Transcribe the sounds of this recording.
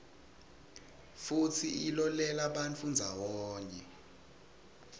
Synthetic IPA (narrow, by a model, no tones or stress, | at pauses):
futʰiilɔlɛlaɓant͡fʰund͡zʱawɔːɲɛ